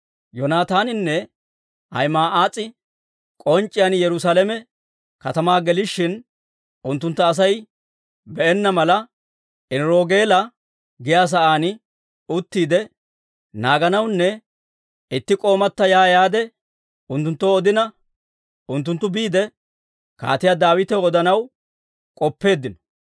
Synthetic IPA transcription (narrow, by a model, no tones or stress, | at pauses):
jɔnaːt̪aːnɪnːɛ | hɐ̰jmaːʔaːt͡sʼːɪ | kʼɔnt͡ʃʼːɪjɐnjɛɾʊsaːlɛmɛ | kɐt̪ɐmaːɡɛlɪʃːɪn | ʊnt̪ːʊnt̪ːɐːs̬ɐj | bɛʔɛnːɐmɐlɐ | ʔɪnɾo̞ːɡeːlɐ | ɡɪjaːs̬ɐʔaːnɪ | ʊt̪ːiːd̪ɛ | naːɡɐnɐwnːɛ | ɪt̪ːɪkʼo̞ːmɐt̪ːɐjaːjaːd̪ɛ | ʊnt̪ːʊnt̪ːoːɔd̪ɪnɐ | ʊnt̪ːʊnt̪ːʊbiːd̪ɛ | ka̰ːt̪ɪjad̪aːwɪt̪ɛwɔd̪ɐnɐw | kʼɔpːe̞ːd̪ːɪnɔ̥